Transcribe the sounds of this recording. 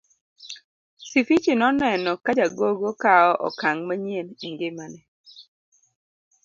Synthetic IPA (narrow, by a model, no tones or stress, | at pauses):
sifit͡ʃinɔnɛnɔkad͡ʒaɡoɡokaɔʔɔ̰kaŋmaɲeniŋɡemanɛ